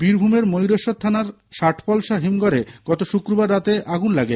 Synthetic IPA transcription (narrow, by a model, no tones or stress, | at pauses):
biɾbʱumeɾmojɾoʃot̪t̪ʰːanaɾ | ʃaʈʰpɔlʃaɦimɡoɾeɡ̥ɔt̪oʃukɾobaɾːat̪eʔaɡunlaɡe